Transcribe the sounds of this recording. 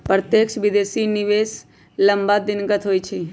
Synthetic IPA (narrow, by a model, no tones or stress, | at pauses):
pɾət̪jekʃʋid̪esinɪʋes | ləmbad̪ɪnɡət̪ɦoːjt͡ʃʰe